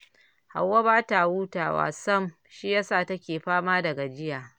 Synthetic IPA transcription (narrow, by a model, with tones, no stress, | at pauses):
ha̰˨wːa˦baː˦ta˨wuː˦taː˨wa̰ː˨sɐ˦m | ʃi˦jaː˦saː˦˨tɐ˦kʲeː˨ɸaː˦maː˦dɐ˨ɡa˨d͡ʒɪ˦jaː˨